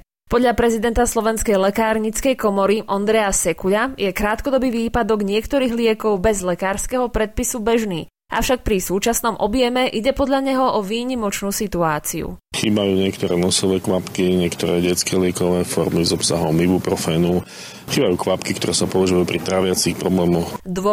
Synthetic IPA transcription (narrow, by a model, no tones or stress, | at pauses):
pɔd̪ʎapɾɛzid̪ɛnt̪aslɔʋɛnskɛjlɛkaːɾɲit͡skɛjkɔmɔɾiʔɔnd̪ɾɛjasɛkuʎajɛkɾaːt̪kɔd̪ɔbiːʋiːpad̪ɔɡɲɪɛkt̪ɔɾiːɣlɪɛkɔʊbɛzlɛkaːɾskɛɦɔpɾɛt̪̚pisubɛʒniː | ʔa̰fʃak̚pɾisuːt͡ʃasnɔmʔɔbjɛmɛʔiɟɛpɔd̪ʎaɲɛɦɔʔɔʋiːɲimɔt͡ʃnuːsit̪uaːt͡siṵxiːbajuːɲɪɛkt̪ɔɾɛːnɔsɔʋɛːkʋapkiɲɪɛkt̪ɔɾɛːɟɛt͡skɛːlɪɛkɔʋɛːfɔɾmizɔpsa̰ɦɔmlibupɾɔfɛːnu | xiːbajuːkʋapkik̚t̪ɔɾɛːsapɔʋaʒujuːpɾit̪ɾaʋɪat͡sixpɾɔblɛːmɔxd̪ʋɔ